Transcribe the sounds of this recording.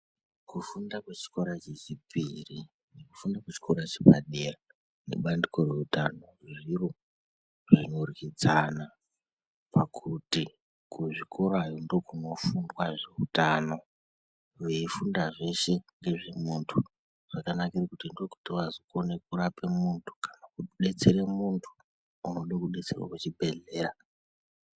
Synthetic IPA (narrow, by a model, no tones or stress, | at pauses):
kufundakwet͡ʃi̥ko̞ɾat͡ʃet͡ʃipiri | neku̥fundakwet͡ʃi̥koɾat͡ʃepaɗera | ne̞̰ɓandiko̞reutano̞reʐiro | ʐinorkid͡zana | pakʰuti | kuʐikʰo̞ɾoajondo̞kuno̞fundwaʐe̞utano̞ | ʋeifundaʐe̞ʃe̞ŋɡe̞ʐemuntʰu | ʐ̥akanakirakutindo̞ku̥tiʋazikone̞kurapemuntʰu̥kanakuɗe̞t͡se̞ɾemuntʰu̥ | uno̞ɗakuɗe̞t͡serwa̰kut͡ʃibʱe̞ɮe̞ːra